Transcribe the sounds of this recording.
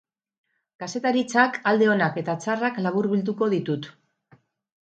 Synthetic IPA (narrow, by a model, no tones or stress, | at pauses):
kase̞t̪aɾit͡sakald̪e̞o̞nake̞t̪at͡saraklaβuɾβild̪uko̞ðit̪ut̪